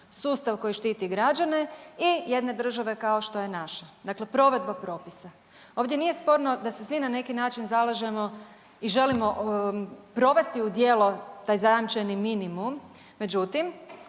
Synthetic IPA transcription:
suːst̪aʋko̞jiʃt̪iːt̪iɡɾad͡ʒane̞ije̞d̪ne̞d̪r̩ʒaʋe̞kao̞ʃt̪o̞je̞naʃad̪akle̞pɾo̞ʋe̞d̪̚bapɾo̞ːpisa | o̞ːʋd̪je̞nije̞spo̞ɾno̞d̪asesʋinane̞kinaːt͡ʃinzalˠaʒe̞mo̞ | iʒe̞limo̞ | pɾo̞ʋe̞st̪iud̪je̞ːlo̞t̪aːjzajamt͡ʃeniminimumː | e̞d͡ʒut̪im

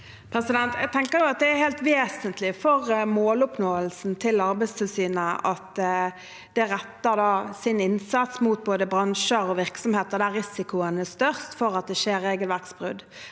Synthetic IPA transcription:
pʰɾɛsɪd̪ɛnt̪jæɡ̚t̪ʰɛŋkəʁjʊɑt̪̚d̪ɛæɾheːlt̪ʋeːsənt̪lɪfɔɾmoːlʊpnoːəlsn̩t̪ʰɪlɑɾbæɪst̪ʰɛsiːnəʔɑt̪ | d̪̥ɛæʁɛt̪ːəʁd̪ɑːsɪnɪnsɑt̪smuːt̪̚boːd̪əbʁɑnʃəɾɔʋɪʁksɔmheːt̪əʁd̪æʁɪsɪkʊənəst̪œʁst̪fɔɾɑt̪̚d̪ɛʃeːɾːeːɡəlʋæʁksbʁʉ̰d̪

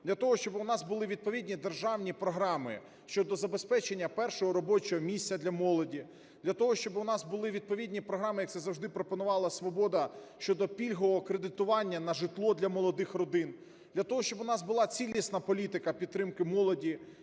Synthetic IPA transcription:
d̪̥lʲɐt̪ɔɦɔʃt͡ʃɔbɪʊnɑsbʊlˠɪʋʲid̪̚pɔʋʲidʲnʲid̪erʒɑwnʲipɾɔɦɾɑmɪ̰ | ʃt͡ʃɔd̪ɔzɐbe̞spɛt͡ʃenʲːɐpɛrʃɔɦɔɾɔbɔt͡ʃɔɦɔmʲisʲt͡sʲːɐd̪lʲɐmɔlˠɔdʲi | d̪̥lʲɐt̪ɔɦɔʃt͡ʃɔbɪʊnɑsbʊlˠɪʋʲid̪̚pɔʋʲid̪ʲnʲipɾɔɦɾɑmɪjɐkt̪sɛzɐwʒd̪ɪpɾɔpɔnʊʋɑlˠɐsʋɔbɔd̪ɐʃt͡ʃɔd̪ɔpʲilʲɦɔʋɔkɾed̪ɪt̪ʊʋɑnʲːɐnɐʒɪt̪lˠɔd̪lʲɐmɔlˠɔd̪ɪxrɔd̪ɪn | d̪̥lʲɐt̪ɔɦɔʃt͡ʃɔbʊnɑzbʊlˠɑt͡sʲilʲisnɐpɔlʲit̪ɪkɐpʲid̪̚t̪ːɾɪmkɪmɔlˠɔdʲi

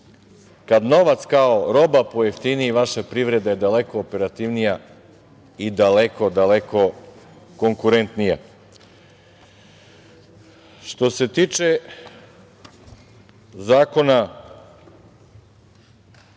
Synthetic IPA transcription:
kad̪no̞ʋat̪skaoɾo̞bapo̞jeft̪iniːʋaʃapɾiʋɾed̪ajed̪aleko̞ːpe̞ɾat̪iʋnija | id̪aleko̞d̪aleko̞ | ko̞ŋkuɾent̪nija | ʃt̪o̞se̞t̪iːt͡ʃe | zaːko̞na

